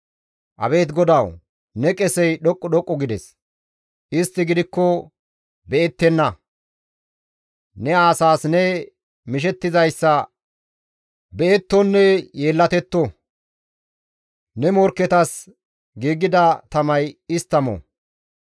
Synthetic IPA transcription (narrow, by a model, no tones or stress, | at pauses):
ʔɐ̰be̞ːt̪ɡɔd̪ɐw | nɛkʼɛsɛjɗɔkʼːɔɗɔkʼːɔɡɪd̪ɛs | ʔɪst̪ːɪɡɪd̪ɪkːɔ | bɛɛt̪ːɛnːɐ | nɛaːsaːsnɛ | mɪʃ̬ɛt̪ːɪzɐjsːɐ | bɛɛt̪ːɔnːɛje̞ːlːɐt̪ɛt̪ːɔ | nɛmɔɾkːɛt̪ɐs | ɡiːɡɪd̪ɐt̪ɐmɐjɪst̪ːɐmɔ̰